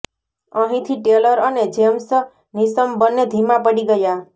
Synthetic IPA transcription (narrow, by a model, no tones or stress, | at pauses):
əɦĩt̪ʰiʈeləɾəned͡ʒems | nisəmbənːed̪ʱimapəɽiɡəja